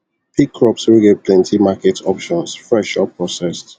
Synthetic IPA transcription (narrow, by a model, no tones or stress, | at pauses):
pʰikʰːɹɔpswilɡevpʰlɛ̃ntʰimakɛtʰɔpʃɔ̃nsfɹɛʃɔpʰːɹɔsɛst